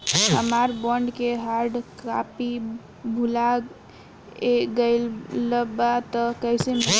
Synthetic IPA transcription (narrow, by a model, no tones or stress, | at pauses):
ɦəmaɾbɔɳɖkeɦaɾɖka̰pi | bʱula | eɡəɪlːəbat̪əkəɦsem